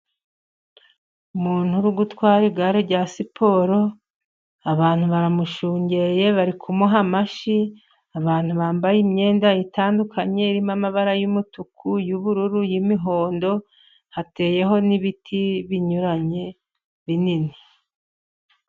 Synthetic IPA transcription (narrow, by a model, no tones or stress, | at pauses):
umuːn̥huɾuɡutwaːɾiɡaɾeɾɟasipʰo̞ːɾo̞ | aβaːn̥huβaɾamuʃuːɲɟe̞je̞βaɾikʰumuɦamaʃi | aβaːn̥huβaːmbajimɲe̞ːndaitaːndukʰaɲe̞iɾimamaβaɾajumutukʰujuβuɾuɾujimiɦo̞ːndo̞ | hate̞ːje̞ɦo̞niβitʰiβiɲuɾaɲe̞ | βinini